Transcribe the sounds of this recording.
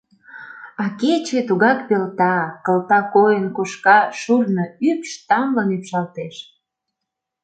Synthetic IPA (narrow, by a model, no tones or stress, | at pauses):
ɑket͡ɕet̪uɣɑkpelt̪ɑkə̆lt̪ɑkojənkuʃkɑʃurnəypʃt̪ɑmlɤnypʃɑlt̪eʃ